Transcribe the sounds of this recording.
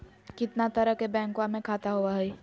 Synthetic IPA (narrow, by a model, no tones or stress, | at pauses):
kɪt̪nat̪ɐɾəɦkebɛ̃ːŋkwamẽkʰaːt̪aɦuaɦɛ